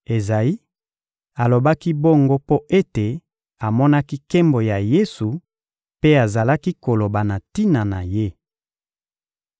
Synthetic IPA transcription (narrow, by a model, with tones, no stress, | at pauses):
e˨za˨i˦ | a˨lo˨ba˦ki˦bo˦ŋɡo˦po˦ʔe˦te˨ | a˨mɔ˦na˦ki˦ke˦mbo˨ja˨je˦su˨ | pe˦a˨za˨la˦ki˦ko˨lo˨ba˨na˨ti˦na˨na˨je˦